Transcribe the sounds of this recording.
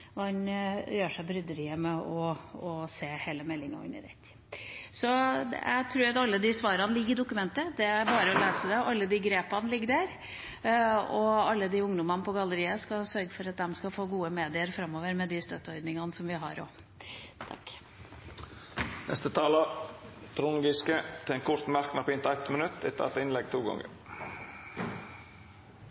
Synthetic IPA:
ʋɑɛnjøːʂæɪbɾʏd̪əɾɪːəmɛɔɔseːheːləmɛlːɪŋɑ̰ɪ̰nɪ̰ɾɛ̰t̪ː | sɔjæ̰ɪt̪ʰɾuːɾɑt̪ɑlːəd̪ɪsʋɑːɾɑnlɪɡːɪd̪ʊkːʉmɛnt̪əd̪ɛæɾbɑːɾəɔleːsəd̪ɛʔɑlːəd̪ɪɡɾeːpɑnlɪɡːəɖæɾ | ɔɑlːəd̪ɪʊŋd̪ʊmɑnpʰɔɡɑlːəɾiːəskɑsœɾɡəfɔɾɑt̪̚d̪ɛmskɑfoːɡuːəmeːd̪ɪəɾfɾɑmːoːʋəɾmɛd̪ɪst̪œt̪ːəɔɾd̪nɪŋɑnəsɔmʋɪɦɑɾo̰ː | t̪ʰɑ̰k | nʔɛ̰st̪ət̪ʰɑːlət̪ʰɾʊŋɡɪskət̪ʰɪɛnkʰʊɾt̪mæɾknɑpɪnt̪æt̪mənʉt̪ʰːɪ̰t̪ʰːɛ̰t̪ɪnlɛɡ̚t̪ʰuːɡɑ̰ŋə̰ɾ

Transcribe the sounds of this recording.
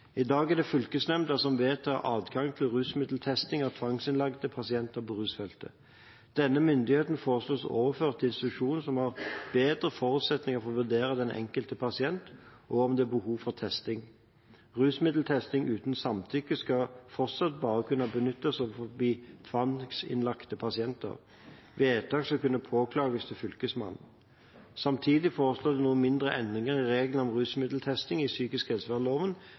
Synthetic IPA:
ɪd̪ɑːɡɛæd̪ɛfʉlkəsnɛmt̪ɑsɔmʋeːt̪ʰɑ̰ʔɑːd̪ɡɑŋt̪ʰɪlʁʉːsmɪd̪l̩t̪ʰɛst̪ɪŋɑt̪ʰʋɑŋsɪnlɑɡd̪əpʰɑsɪɛnt̪əpɔʁʉːsfɛlt̪ə̰ | d̪̥ɛnːəmʏnd̪ɪheːt̪n̩foːʁəsloːso̰ːʋəføːʁt̪ɪnst̪ɪt̪ʉʂuːnn̩sɔmhɑʁb̥eːd̪ɾəfɔɾʉːt̪sɛt̪nɪŋəfɔʁɔʋʉd̪eːɾəd̪ɛnʔɛ̰ŋkəlt̪əpʰɑsɪɛnt̪ʔɔɔmd̪ɛbəhuːʋfɔʁt̪ʰɛst̪ɪŋ | ʁʉːsmɪd̪l̩t̪ʰɛst̪ɪŋʔʉːt̪nsɑmt̪ʰʏkəskɑfɔʁt̪sɑt̪̚bɑːʁəkʰʉnːəbənʏt̪ːəsɔʋfɔbiːt̪ʰʋɑnksɪ̰nlɑkt̪əpʰɑsɪɛnt̪ə̰ʁ | ʋɛeːt̪ʰɑːkskɑkʉnːəpʰoːkʰlɑːɡəst̪ʰɪfʏlkəsmɑ̰nn̩ | sɑmt̪ʰiːd̪ɪfoːʁəsloːd̪ɛnuːənmɪnd̪ʁəʔɛnd̪ʁɪŋəʁɪʁeːɡlən̩ɔmʁʉːsmɪd̪l̩t̪ʰɛst̪ɪŋɪsyːkɪskhɛlsʋæʁloːʋən

